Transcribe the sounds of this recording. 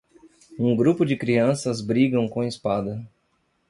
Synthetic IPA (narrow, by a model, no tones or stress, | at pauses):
ũɡɾupʊd͡ʒɪkɾiɐ̃sɐzbɾiɡɐ̃w̃kõispad̪ɐ